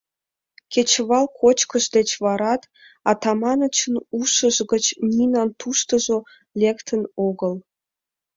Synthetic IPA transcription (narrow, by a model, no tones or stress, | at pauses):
kʲet͡ɕβɑlkʰot͡ɕkəʒd̪et͡ɕβɑɾɑt̪ | ɑt̪ɑmɑnət͡ɕənuʃəʒɣət͡ɕnʲinɑnt̪uʃt̪əʒo | lekt̪ʰənoɣəl